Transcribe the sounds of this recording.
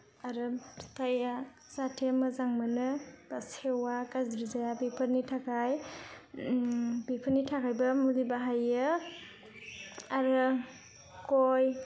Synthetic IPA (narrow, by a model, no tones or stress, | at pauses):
aɾɯtʰaja | satʰemɯzaŋmɯnɯbasewakazɾizajabipʰɯɾnitʰakʰaj | bipʰəɾnitʰakʰajbɐmulibaɦajɯ | aɾɯ | koj